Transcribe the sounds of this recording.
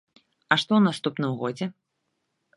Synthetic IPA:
ɐʂt̪ɔwnast̪upnɨmɣɔd͡zʲɛ

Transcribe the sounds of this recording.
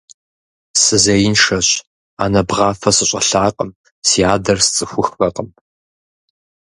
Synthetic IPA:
sɨzɐjɪnʂɐɕ | aːnɐbʁɑːfɐsɨɕʼɐɬaːqʼəm | sijaːdɐrst͡sʼɨxʷʊxpɐqʼəm

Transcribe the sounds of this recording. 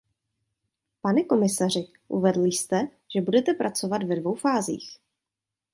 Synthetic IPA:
panɛko̞mɪsar̝ɪ | ʔuvɛdl̩ɪst̪ɛ | ʒ̥ɛbudɛt̪ɛpɾʔat͡so̞vat̪vɛdvo̞wfaːzḭːx

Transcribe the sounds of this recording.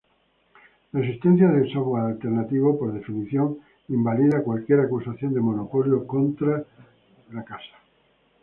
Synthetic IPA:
laesist̪en̟θjaðeensoɣoalt̪eɾnat̪iβopoɾðe̞finiθjoŋ | imbaliðakwalkjeɾakusaθjond̪emonopoljokont̪ɾa | lakasḁ

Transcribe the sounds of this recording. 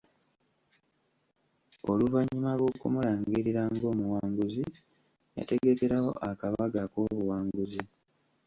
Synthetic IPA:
o̞luvaɲːimalwo̞kumulaːŋɡiɾiɾaŋɡo̞ːmuwaːŋɡuzi | ja̰te̞ɡe̞ke̞ɾawo̞̰ʔakaβaɡako̞ːβuwaːŋɡuzi

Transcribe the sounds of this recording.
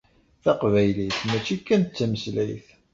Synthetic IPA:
θæqvæjliθmæt͡ʃːikːænt͡sːæməslæjθ

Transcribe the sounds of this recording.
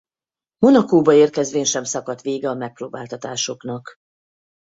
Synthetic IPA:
mo̞nɒkoːbɒeːrkɛzʋeːnʃɛmsɒkɒt̪ʋeːɡɛɒmɛk̚proːbaːlt̪ɒt̪aːʃo̞knɒk

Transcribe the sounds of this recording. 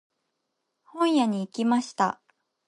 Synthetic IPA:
hõ̞ɰ̃jaɲ̟iːkʲimaɕi̥t̪a

